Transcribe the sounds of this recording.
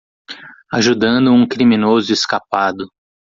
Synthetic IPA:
aʒud̪ɐ̃nd̪ʊũkɾimĩnozʊeskapad̪ʊ

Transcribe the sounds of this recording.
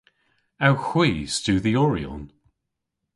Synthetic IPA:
awxw̥iːstʉːðiɔɹiɔ̰n

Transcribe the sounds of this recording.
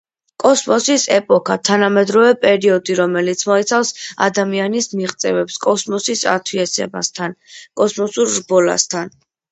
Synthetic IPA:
kʼɔsmɔsisɛpʼɔkʰat̪ʰanamɛd̪ɾɔvɛpʼɛɾiɔd̪iɾɔmɛlit̪sʰmɔit̪sʰafsa̰d̪amianismiʁt̪sʼɛvɛpskʼɔsmɔsisa̰t̪ʰwiɛsɛ̰ba̰st̪ʰankʼɔsmɔsuɾɾbɔla̰st̪ʰan

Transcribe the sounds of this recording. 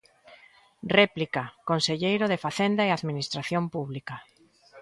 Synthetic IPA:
rɛplikakonseʎejɾoðefaθend̪aeaðminist̪ɾaθjompuβlika

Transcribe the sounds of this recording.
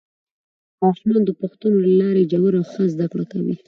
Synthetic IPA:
ɑʃmɑnd̪əpaxt̪unolalɑɾed͡ʒawuɾaxəzd̪akɽakawḭ

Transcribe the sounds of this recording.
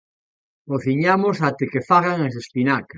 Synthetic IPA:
oθiɲamosat̪ekefaɣaŋas̬espinaka

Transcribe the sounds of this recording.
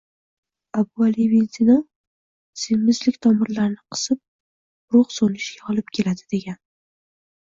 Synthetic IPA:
abʊalivenzino | sɪmːɪzlɪkʲt̪ʰɒmɪɾlaɾnɪqʰɨ̥sɪp̚ | ɾʊχsonɪʃɡʲaɒlˠɪp̚kʲʰe̞lad̪ɪd̪e̞ɡʲan

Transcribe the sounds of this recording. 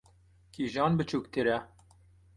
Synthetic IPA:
kʰiːʒɑːnbɨt͡ʃʰuːkt̪ʰɨɾɛ

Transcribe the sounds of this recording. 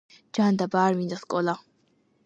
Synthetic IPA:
d͡ʒand̪abaːɾmind̪askʼɔla

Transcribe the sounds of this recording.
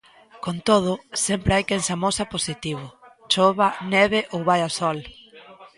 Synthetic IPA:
kont̪oð̞ʊsɛmpɾeajkensamosɐposit̪iβ̞ʊ | t͡ʃoβɐnɛβeʔowβajasɔl

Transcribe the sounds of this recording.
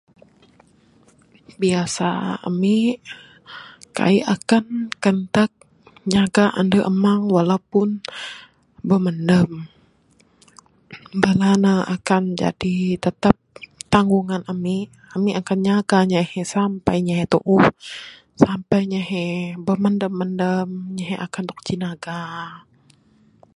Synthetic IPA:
biasa̰a̰mi | ka̰iʔakankənt̪ək̚ | ɲaɡaʔandəʔəmaŋwalawpʊn | bəməndəm | balanaa̰kand͡ʒa̰dit̪ət̪ap̚t̪aŋɡuŋanami | amiakanɲaɡaɲahɛsampajɲaɦet̪o̰ʔuh | sampajɲəɦɛbəməndəmːəndəmɲaɦɛʔakand̪ɔk̚t͡ʃinaɡa

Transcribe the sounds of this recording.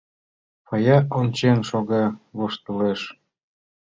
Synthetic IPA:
pɑjɑonʲt͡ɕenʃoɣɑβoʃt̪ə̆leʃ

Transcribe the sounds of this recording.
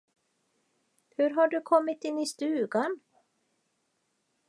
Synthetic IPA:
hɵɾɦaɖɵkʰɔmːɪt̪ɪnːɪst̪ʉ̟ːɡan

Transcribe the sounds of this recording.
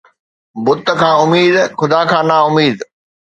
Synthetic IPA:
bʊt̪̆kʰãːʊmiːd̪xʊd̪aːkʰãːnaʊmiːd̪

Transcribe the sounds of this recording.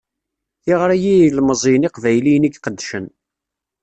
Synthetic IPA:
θiʁɾæjilməzˤijniqvæjlijnikqəd̪ːʃən

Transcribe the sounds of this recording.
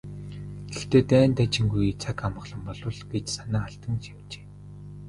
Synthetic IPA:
t̪ĕxt̪eːt̪æːnt̪at͡ɕɪ̆ŋɡujt͡sʰakamə̆χɮɞ̆mpɔɮɞ̆ɮɡet͡ɕsanaːaɬt̪ə̆ŋʃimt͡ɕe̥ː

